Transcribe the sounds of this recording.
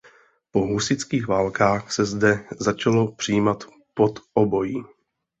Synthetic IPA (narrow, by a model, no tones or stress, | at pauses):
po̞ɦusɪt͡skiːɣvaːlkaːxsɛzdɛzat͡ʃalo̞pr̝̥ɪjiːmat̪ | po̞t̪ʔobo̞jiː